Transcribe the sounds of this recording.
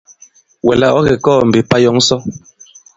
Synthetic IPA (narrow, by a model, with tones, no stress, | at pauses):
wɛ˨la˦ʔɔ˦ɣɛ˨kɔː˦˨m̩˨be˨pa˦jɔ˦ŋ˦sɔ˦